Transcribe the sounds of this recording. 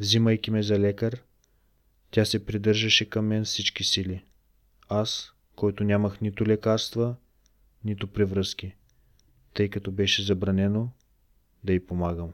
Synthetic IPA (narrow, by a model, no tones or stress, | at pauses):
vziməjkʲimɛzɐlɛkəɾ | t̪ʲasɛpɾid̪ɤɾʒɐʃɛkɐmːɛnfsit͡ʃkisili | as | kɔjt̪ʊnʲaməxnit̪ʊlɛkaɾst̪və | nit̪ʊpɾivɾɤskʲi | t̪ɤjkɐt̪ɔbɛʃɛzɐbɾɐnɛno | d̪ɐipomaɡəm